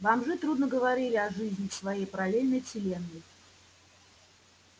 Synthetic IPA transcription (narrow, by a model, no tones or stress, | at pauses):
vamʐɨt̪ɾud̪nəɡəvɐɾʲilʲɪɐʐɨzʲnʲɪfsvajejpəɾalʲelʲnəjfsʲɪlʲenːɨj